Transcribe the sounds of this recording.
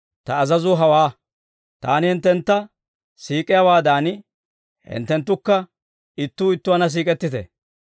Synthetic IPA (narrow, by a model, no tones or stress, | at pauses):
t̪ɐːzɐzʊɦɐwaː | t̪a̰ːnɪhɪnt̪ːɛnt̪ːɐ | siːkʼɪjawaːd̪aːnɪ | hɪ̰nt̪ːɛnt̪̬ːʊkːɐ | ɪt̪ːuːɪt̪ːʊwɐnɐs̬iːkʼɛt̪ːɪt̪ɛ̰